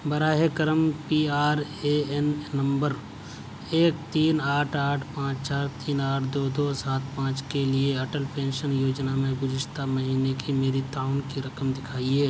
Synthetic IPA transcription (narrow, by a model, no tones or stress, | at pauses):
bɐɾaːɦekəɾəmpiːaːɾeɛnnɐ̃mbəɾ | eːk̚t̪iːnaːʈʰaːʈʰpãːt͡ʃt͡ʃaːɾt̪iːnaːʈʰd̪oːd̪oːsaːt̪̚ʰpãːt͡ʃkelieɐʈəlpẽːnʃənjoːd͡ʒnamẽɡʊd͡ʒɪʃt̪ʰamɐɦiːnekʰimeːɾit̪aːʊnkiɾɐkəmd̪ɪkʰaːiɦeː